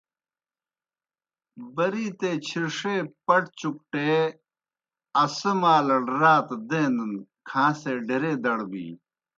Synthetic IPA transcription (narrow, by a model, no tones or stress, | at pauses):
bɐɾiːt̪eːt͡ɕʰiɾʂeːpɐʈt͡ɕuk̚ʈeː | ɐsɐmaːlɐɽɾaːt̪d̪ẽːnd̪ɐnkʰãːseːɖʱeɾeːd̪ɐɽbḭː